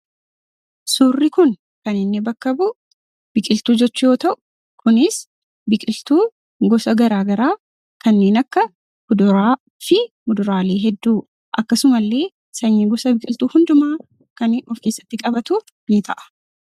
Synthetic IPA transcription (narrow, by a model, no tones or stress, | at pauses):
suːrːɪkʊn | kɐnɪnːɪbɐkːɐbʊ | b̥ɪkʼɪlt̪uːd͡ʒɛt͡ʃːʊjo̞ːt̪ɐʔʊ̥ | kʰʊnɪs | bɪkʼɪlt̪uː | ɡɔsɐɡɐɾaːɡɐɾaː | kɐnːe̞ːnɐkːɐ | hʊd̪ʊɾaː | fɪmʊd̪ʊɾaːleːɦɛd̪ːuː | ʔɐkːɐsʊmɐlːe̞ː | sɐɲːiːɡɔsɐbɪkʼɪlt̪uːhʊnd̪ʊmaː | kɐnɔfke̞ːsːɐ̥t̪ːɪkʼɐbɐt̪ʊ | nɪt̪ʰɐʔɐ̥